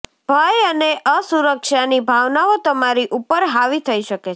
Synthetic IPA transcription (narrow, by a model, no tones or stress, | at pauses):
bʱajəneʔəsuɾəkʃanibʱaʋnaʋot̪əmaɾiʔupəɾɦaʋit̪ʰəiʃəke